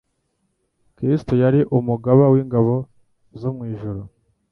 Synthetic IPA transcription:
kɾistojaɾiʔumuɡaβawiŋɡaβo̞ | zomŋiːʒuɾu

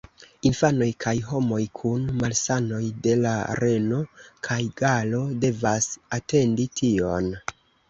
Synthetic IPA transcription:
infano̞jkʰajɦo̞mo̞jkʰunmalsano̞jde̞la̰ɾʔe̞no̞kʰajɡalo̞de̞vasate̞nditʰio̞n

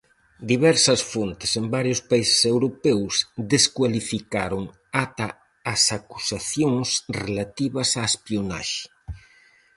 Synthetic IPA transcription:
d̪iβɛɾsɐsfont̪ɪ̥sembaɾjʊspaise̥sewɾopɛwsd̪eskwalifikaɾoŋ | at̪ɐː | saku̥saθjoŋsrelat̪iβɐsaespiona̰ʃɪ̥

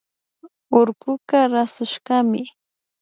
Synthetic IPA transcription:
oɾɢʊkaɾasʊʃɢɑmɪ

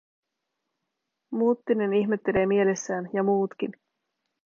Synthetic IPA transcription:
muːt̪ːine̞niçme̞t̪ːe̞le̞ːmie̞le̞sːæːnjɑmuːt̪k̟in

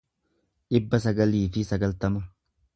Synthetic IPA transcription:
ᶑɪbːɐsɐɡɐliːfɪsɐɡɐlt̪ɐmɐ

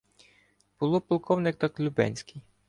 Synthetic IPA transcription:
b̥ʊlˠɔpɔlˠkɔwnɪkt̪ɑklʲʊbɛ̰nʲsʲkɪj

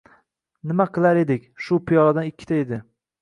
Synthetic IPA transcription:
nɪmaqʰɨlˠaɾe̞d̪ɪkʲʃʊpʰijɒɾad̪anɪkʲʰːɪ̥t̪ʰaed̪ɪ

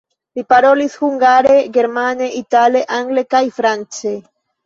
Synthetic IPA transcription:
lipaɾolishuŋɡaɾeɡeɾmaneʔit̪aleʔaŋɡlekajfɾant͡se

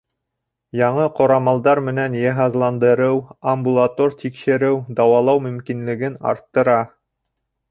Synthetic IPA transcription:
jɑɴɤqŏɾɑmɑlˠd̪ɑɾmɘ̆nænjeɦɑzlˠɑnd̪ɤ̆ɾɤwɐmbulˠat̪oɾt̪ikʃɘ̆ɾɘwd̪ɑwɑlˠɑwmɵ̆mkinlɘ̆ɡɘnɑ̰ɾt̪ːɤ̆ɾɑ

